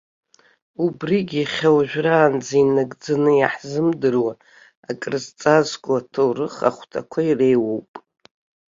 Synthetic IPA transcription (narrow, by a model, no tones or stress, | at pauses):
ubriɡʲiχʲawaʒᶣraːnd͡zainaɡd͡zanɨja̰ħzɨmdɨrwa | akʼrɨzt͡sʼazkʷʼatʰowrɨχa̰χʷtʰa̰kʷʰaire̞jwowpʼ